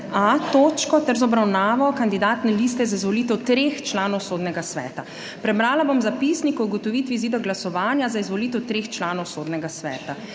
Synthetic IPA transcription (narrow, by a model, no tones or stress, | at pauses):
at̪oːt͡ʃkɔt̪ɛɾzɔbɾawnaːʋɔkand̪id̪aːt̪nɛliːst̪ɛzaizʋɔliːt̪ɛwt̪ɾeːxt͡ʃlaːnɔwsoːd̪nɛɡasʋɛ̰ːt̪a | pɾɛbɾaːlabomzapisnikɔuɡɔt̪ɔʋiːt̪ʋiziːd̪ɔɡlasɔʋaːnjazaizʋɔliːt̪ɛwt̪ɾeːxt͡ʃlaːnɔwsoːd̪nɛɡasʋɛ̰ːt̪a